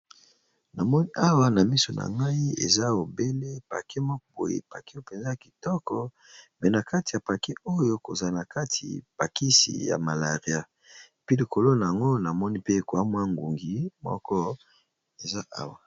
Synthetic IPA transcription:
na˨mɔ˦ni˦ʔa˦wa˨na˨mi˦so˨na̰˨ŋɡa˦i˦ḛ˨za˦o˨be˦le˦pa̰˨ke˦mɔ˦kɔ˦bo̰˨jḛ˨pa˨ke˦o˦pe˨nza˦ja˨ki˨tɔ˦kɔ˨ | mɛ˨na˨ka˦ti˨ja˨pa˨ke˦o˦jo˦ko˨za˨na˨ka˦tʰḭ˨pa˨ki˦sḭ˨ja̰˨ma˨la˨ʁi˨a˦ | e˨pi˦li˨ko˨lo˦na˨a˨ŋɡo˦na˨mɔ˦ni˦pe˦˨kwa˦mwa˦ŋɡu˨ŋɡi˦mɔ̰˦kɔ˦ | e˨za˦ʔa̰˦wa˨

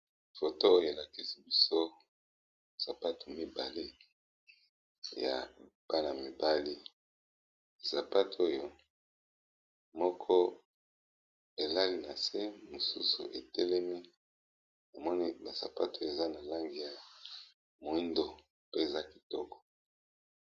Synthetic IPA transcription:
fo˨to˦o˦jo˨e˨la˨ki˦si˨bi˦so˦ | sa˨pa˦tu˨mi˦ba˨le˦ | ja̰˨ | b̥a˦na˨mi˨ba˦li˦˨ | sa˨pa˦to˦jo˦ | mɔ˦kʰɔ˦ | e˨la˦li˦na˨se˦mo˨su˦sṵ˨ʔe˨tʰɛ˦le˦mi˦ | na˨mɔ˦ni˦ba˨sa̰˨pa˦to˦˨e˨za˦na˨la˦ŋɡi˨ja˨ | mo˨i˦ndo˨ | pe˦e˨za˦ki˨tɔ˦kɔ̥˨

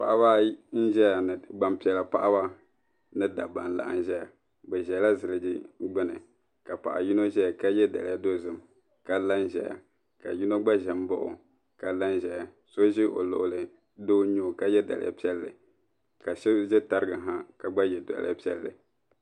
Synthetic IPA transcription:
pa˨ʔa˦ba˦n̩˦ʒɛ˦ja˨nɨ˨ɡ͡ba˨mpi˨ɛ˨la˨pa˦ʔa˦ba˦ | nɨ˦da˨ba˨n˦la̰˨ʔa̰˨n˦ʒɛ˦ja˨ | ɡ͡bɛ˨ʒɛ˨˦la˦zɨ˨lɨ˨d͡ʒi˦ɡ͡bɨ˦nɨ˨ | ka˨pa̰˨ʔa˨ji˦no˦ʒɛ˦a˨ka˦jɛ˦da̰˨lɪ˨ja˦do˦zɨ˨m | ka˦la˦n˦ʒɛ˨ja̰˨ | ka̰˨ji˦no˦ɡ͡ba˦ʒɛ˨m˦bʊ˦ʔʊ̰˨ | ka˨la˦nʒɛ˨ja˨ | so˦ʒɪ˦ʔo̰˨lo̰˨ʔʊ˨lɨ˨ | do˦ɲo˦˨ka˦jɛ˦da̰˨lɪ̰˨ʔa̰˦pi˦ɛ˦lːɨ˨ | ka˨ʃɛ˦ʒɛ˦ta˦ɾɨ˦ɡɨ˨ɦa˦ka˨ɡ͡ba˦jɛ˨do̰˨l̰a˦pi˦ɛ̰˦lːɨ̰˨

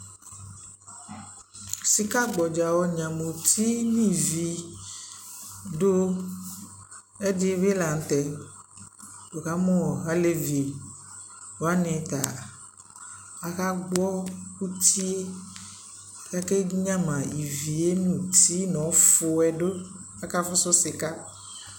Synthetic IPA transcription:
si˨ka˦ɡ͡bɔ˨d͡ʒa˨wɔ˦ɲã˨mõ˨t̪ʰi˦nĩ˦vi˨ | ɖo˦ | e˦di˦be˦la˨ŋ̩˨t̪ɛ˨ | do˨ka˦mɔ̃˦wɔ˨ɣa˦le˦ve˨ | wo˨˦a˦nẽ˨t̪a˨ | a˦ka˦ɡ͡bɔ˦ku˦t̪i˦e˦˨ | ka˦ke˦ɲã˦mã˨i˨vi˨je˦nũ˨t̪i˦nɔ̃˨˦fo˨ɛ˨ɖo˦a˦ka˦fɔ˦sɔ˦si˨ka˦

